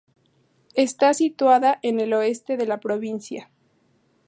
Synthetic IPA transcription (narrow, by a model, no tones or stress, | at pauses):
e̞st̪asit̪waðaʔe̞ne̞lo̞e̞st̪e̞ðe̞lapɾo̞βinsja